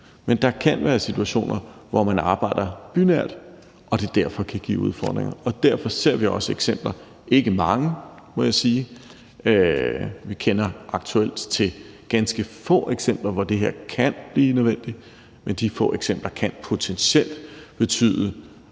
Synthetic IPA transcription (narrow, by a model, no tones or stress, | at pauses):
mend̥ɑ̈kʰænʋæːɐsit͡sʰuæɕo̝̰ːnʔɐʋɒmænɑ̈ːb̥ɑ̈ɪ̰d̥ɐb̥ynæɐ̰d̥ | ʔɒ̽d̥e̝d̥æɐ̰fɒ̽kʰæɡ̥ḭːuð̞ˠfɒ̰ːd̥ʁeŋɐɒ̽d̥æɐfɒ̽se̝ɐ̰ʋiɒ̽səeɡ̥sem̰b̥lɐ | ʔe̝ɡ̥əmɑ̈ŋə | mɔ̽jäsiː | øʋikʰenɐʔɑ̈ɡ̥t͡sʰuel̰d̥t͡sʰe̝ | ɡ̥ænsɡ̥əfɔ̰̽ːeɡ̥sem̰b̥lɐʋɒd̥e̝ɦeɐ̰kʰænb̥liːnøðˠʋen̰d̥i | mend̥ifɔ̰̽ːeɡ̥sem̰b̥lɐkʰænpʰo̝t͡sʰensel̰d̥b̥e̝t͡sʰy̰ːðˠə